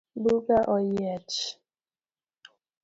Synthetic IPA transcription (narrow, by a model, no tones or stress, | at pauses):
buɡaʔɔjɛt͡ʃ